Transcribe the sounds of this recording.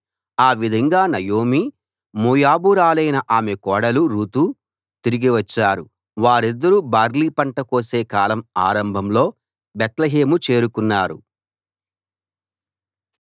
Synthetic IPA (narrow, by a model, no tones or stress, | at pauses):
aːʋid̪ʱɐŋɡaːnɐjoːmi | muːjaːbuɾaːlɐjnɐʔaːmekɔːɽɐluɾuːt̪u | t̪iɾiɡiʋɐt͡ʃːaːɾu | ʋaːɾid̪ːɐɾubaːɾliːpɐɳʈɐko̞ːse̞ːkaːlɐma̰ːɾɐmbʱɐmlo̞ː | bɛt̪lɐɦe̞ːmut͡ʃe̞ːɾukunːaːɾṵ